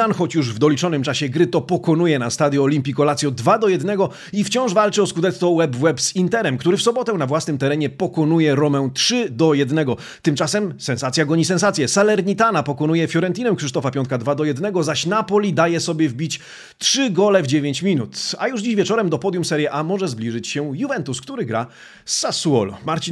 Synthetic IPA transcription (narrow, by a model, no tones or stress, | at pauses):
anxɔt͡ɕjuʐvd̪ɔlʲit͡ʂɔnɘmt͡ʂaɕɛɡɾɘt̪ɔpɔkɔnujɛnast̪ad̪ʲjɔːlʲimpʲikɔlat̪sjɔd̪vad̪ɔjɛd̪nɛɡɔ | ift͡ɕɔ̃w̃ʐvalt͡ʂɘɔskud̪ɛsɔwɛbvwɛbz̥int̪ɛɾɛmkt̪uɾɘfsɔbɔt̪ɛnavwasnɘmt̪ɛɾɛɲɛpɔkɔnujɛɾɔmɛw̃tʂɘd̪ɔjɛd̪nɛɡɔ | t̪ɘmt͡ʂasɛmsɛ̃nsat̪sʲjaɡɔɲisɛ̃nsat̪sʲjɛsalɛɾɲit̪anapɔkɔn̪ujɛfjɔɾɛnt̪inɛmkʂɘʂt̪ɔfapʲjɔ̃nt̪̚kad̪vad̪ɔjɛd̪nɛɡɔzaɕnapɔlʲid̪ajɛsɔbʲjɛvbʲit͡ɕ | tʂɘɡɔlɛvd͡ʑevʲjeɲt͡ɕmʲinut̪a̰juʐd͡ʑiɕvʲjɛt͡ʂɔɾɛmd̪ɔpɔd̪jumsɛɾjɛʔamɔʐɛzblʲiʐɘt͡ɕɕɛjuvɛnt̪uskt̪uɾɘɡɾa | sasuɔ̰lmaɾt͡ɕi